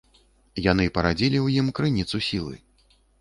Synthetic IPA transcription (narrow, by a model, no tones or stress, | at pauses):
jan̪ɨpɐɾad͡zʲilʲiwjimkɾɨnʲit̪susʲilˠɨ̰